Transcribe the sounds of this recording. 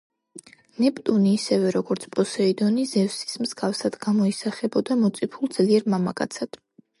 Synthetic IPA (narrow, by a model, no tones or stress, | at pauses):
nɛpʼt̪ʼuniːsɛvɛɾɔɡɔɾt̪sʰpʼɔsɛid̪ɔnizɛvsi̥smz̥ɡafsad̪̥ɡamɔisaχɛbɔd̪amɔt̪sʼipʰulˠd̪z̥liɛɾmamakʼa̰t̪sʰad̪̥